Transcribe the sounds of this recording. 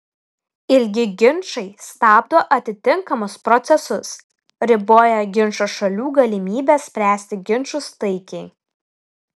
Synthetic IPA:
ɪlʲɡʲɪɡʲɪnˑʃɐɪst̪ɑːb̚d̪oːʔɐt̪ʲɪt̪ʲɪŋkɐmʊspɾɔt̪sʲɛsʊs | ɾʲɪboːjɛɡʲɪnʃoʃɐlʲuːɡɐlʲɪmʲiːbʲeːssʲpʲɾʲæːsʲt̪ʲɪɡʲɪnˑʃʊst̪ɐɪkʲɛɪ

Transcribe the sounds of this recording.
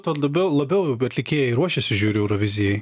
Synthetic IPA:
t̪oːlˠɐbʲɛʊlˠɐbʲɛʊɐt̪ʲlʲɪkʲeːjɛɪɾuɔʃʲɛsʲɪʒʲuːɾʲɪɛʊɾoʋʲɪzʲɪjɛɪ

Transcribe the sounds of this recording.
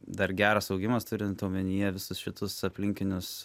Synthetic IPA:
d̪ɐɾɡʲæːɾɐsɒʊɡʲɪmɐst̪ʊɾʲɪnt̪ɐʊmʲɛnʲɪjɛʋʲɪsʊsʃʲɪt̪ʊsɐpʲlʲɪŋʲkʲɪnʲʊs

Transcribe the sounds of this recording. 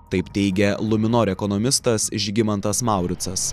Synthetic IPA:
t̪ɐɪpt̪ʲɛɪɡʲɛlˠʊmʲɪnoɾʲɛkɔnɔmʲɪst̪ɐsɪʒʲɡʲɪmɐnt̪ɐsmɑˑʊɾʲɪt̪sɐs

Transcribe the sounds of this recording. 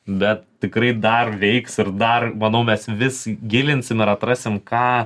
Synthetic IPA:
bʲɛt̪̚t̪ʲɪkɾɐɪd̪ɐrʋʲɛɪksɪɾd̪ɐrmɐnɐʊmʲɛsʋʲɪsɡʲɪlʲɪnʲsʲɪmɪɾɐt̪rɑsʲɪmkɑː

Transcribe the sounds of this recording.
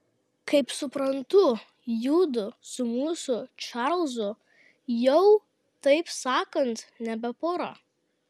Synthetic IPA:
kɐɪpsʊpɾɐnt̪ʊ | juːd̪ʊsʊmuːsʊt͡ʃɑɾlˠzʊ | jɛʊ | t̪ɐɪpsɑːkɐnt̪nʲɛbʲɛpoːɾɐ̰

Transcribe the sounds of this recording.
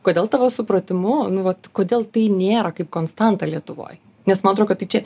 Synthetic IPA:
koːdʲeːlˠt̪ɑʋoːsʊpɾɐt̪ʲɪmʊnʊʋɐt̪koːd̪ʲeːlˠt̪ɐɪnʲeːɾɐkɐɪp̚koːnst̪ɑnt̪ɑlʲiɛt̪ʊʋo̰ːj | nʲɛsmɐnɐt̪ɾoːkʲoːt̪ɐɪt͡ʃʲɛ

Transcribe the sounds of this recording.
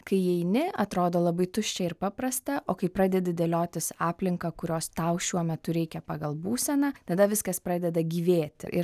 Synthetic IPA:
kɐɪɛɪnʲɪɐt̪ɾoːd̪oːlˠɐbɐɪt̪ʊʃʲt͡ʃʲɛɪɾpɑːpɾɐst̪ɐʔoːkɐɪpɾɑːd̪ʲɛd̪ʲɪd̪ʲeːlʲoːt̪ʲɪsɑːpʲlʲɪŋkɐkʊɾʲoːst̪ɐʊʃʲuɔmʲɛt̪ʊɾʲɛɪkʲɛpɑːɡɐlˠbuːsʲɛnɑːt̪ɐd̪ɐʋʲɪskɐspɾɑːdʲɛd̪ɐɡʲiːʋʲeːt̪ʲɪ̰ɾ

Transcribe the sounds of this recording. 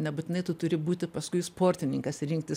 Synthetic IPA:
nʲɛbuːt̪ʲɪnɐɪt̪ʊt̪ʊɾʲɪbuːt̪ʲɪpɐskʊɪspoːrʲt̪ʲɪnʲɪŋkɐsɾʲɪŋk̚t̪ʲɪ

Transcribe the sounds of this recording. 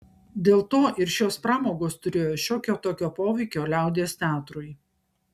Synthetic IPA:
d̪ʲeːlˠt̪oːʔɪɾʃʲoːspɾɑːmoːɡoːst̪ʊɾʲeːjoːʃʲoːkʲoːt̪oːkʲoːpoːʋʲɛɪkʲoːlʲæˑʊd̪ʲeːst̪ʲæːt̪ɾʊɪ

